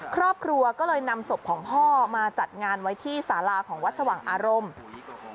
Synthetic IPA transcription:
kʰɾɔː˥˩p̚kʰɾu˧ɐkɔː˥˩lɤː˧jna˧mso˨˩p̚kʰɔː˩˦ŋpʰɔː˥˩maː˧t͡ɕa˨˩t̪̚ŋaː˧nwa˦˥jt̪ʰiː˥˩saː˩˦laː˧kʰɔː˩˦ŋwa˦˥t̪̚sa˧waː˨˩˦ŋʔaː˧ɾo˧m

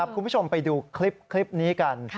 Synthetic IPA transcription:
a˦p̚kʰu˧nbʰu˦˥t͡ɕʰo˧mpa˧jduː˧kʰli˦˥p̚kʰli˦˥p̚niː˦˥ka˧n

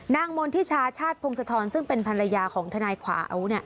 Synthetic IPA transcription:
naː˥˩ŋmo˧nt̪ʰiː˥˩t͡ɕʰaː˦˥t͡ɕʰaː˥˩t̪̚pʰo˧ŋsa˧t̪ʰɔː˧nsɯ˥˩ŋpe˧npʰa˧nɾa˧jaː˧kʰɔː˩˦ŋt̪ʰa˧naː˧jkʰwa̰ː˩˦ʔa̰˧˩wu˦˥ni˥˩ɐ

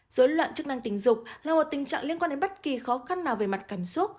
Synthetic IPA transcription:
z̥oː˨˦jlwa̰ː˧˨nt͡ɕɨ˦˥kna˧ŋt̪ï˨˦ŋ̟zʊ˨˩k͡p̚laː˨˩mo˨˩t̚t̪ï˨˩ŋ̟t͡ɕa̰ː˧˨ŋli˧ənkwaː˧ɗe˨˦nɓt̚ki˨˩xɔ˨˦xa˧nːaː˨˩wve˨˩ma˨˩t̚kaː˧˩msu˦˥t̚

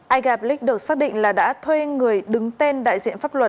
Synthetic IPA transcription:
ʔaː˧jɣaː˨˩p̚lï˦˥k̟̚ɗɨ˨˩ək̚saː˦˥k̚ɗḭ˧˨ŋ̟laː˨˩ɗa̰ː˧˥t̪ʰwe˧ŋɨ˨˩əjɗɨ˨˩ŋt̪e˧nɗa̰ː˧˨jzḭ˧˨ənfaː˦˥p̚lə˨˩t̚

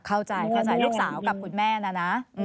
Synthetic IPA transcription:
kʰa˥˩wt͡ɕa˧jkʰa˥˩t͡ɕa˧jluː˥˩k̚saː˩˦wka˨˩p̚kʰu˧nmɛː˥˩na˧˥˩na˦˥ʔɯ˧

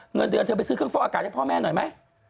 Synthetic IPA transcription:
ŋ˨˩ənt̪̚ːʰɓsɨ˧˩xə˧ŋfɔː˧˦əː˨˧˩kaː˨˩ɔ˧˦pʰɔ˧mɛ˧nɔ˨˦jma˧˦

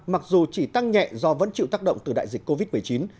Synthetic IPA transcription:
ma˨˩k̚zu˨˩t͡ɕi˧˩t̪a˧ŋɲɛ̰˧˨zɔ˧və̰˧˥nt͡ɕḭ˧˨wt̪aː˦˥k̚ɗə̰˧˨wŋ͡mt̪ɨ˨˩ɗa̰ː˧˨jzï˨˩k̟̚ko˧vi˦˥t̚mɨ˨˩əjt͡ɕi˨˦n

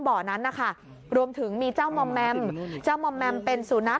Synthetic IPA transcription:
bɔː˨˩na˦˥nːa˦˥˩kʰa˥˩ | ɾu˧əmt̪ʰɯ˩˦ŋmiː˧t͡ɕaː˥˩wmɔ˧mːɛ˧mt͡ɕaː˥˩wmɔ˧mːɛ˧mpe˧nsu˩˦na˦˥t̚

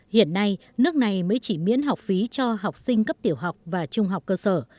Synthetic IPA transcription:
hḭ˧˨ənːa˧j | nɨ˦˥ək̚na˨˩jməː˨˦jt͡ɕi˧˩mḭ˧˥ənɦa˨˩wk͡p̚fi˨˦t͡ɕɔ˧ɦa˨˩wk͡p̚sï˧ŋ̟kə˦˥p̚t̪i˧˩əwɦa˨˩wk͡p̚vaː˨˩t͡ɕʊ˧ŋ͡mɦa˨˩wk͡p̚kːəː˧səː˧˩

